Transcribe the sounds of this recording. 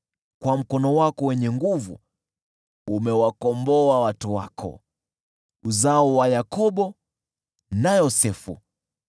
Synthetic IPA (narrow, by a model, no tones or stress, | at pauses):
kwam̩kɔnɔwakɔwɛɲɛŋɡuvṵ | umɛwakɔmbɔawatuwakʰɔ̰ | uzaɔwajakɔɓɔ | najɔsɛfṵ